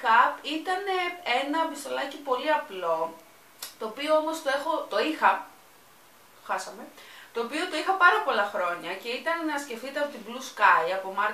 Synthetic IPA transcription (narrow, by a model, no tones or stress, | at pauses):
kɐpit̪ɐne̞e̞nɐvist̪o̞lɐcipo̞liɐplo̞ | t̪o̞ːpio̞omo̞st̪o̞e̞xo̞t̪o̞ixɐ | t̪oxɐsɐme̞t̪o̞ːpio̞t̪o̞ixɐpɐɾɐpo̞lɐxɾo̞ɲɐce̞it̪ɐnnɐsce̞ft̪it̪eɐpot̪ibluskɐjɐpo̞mɐɾ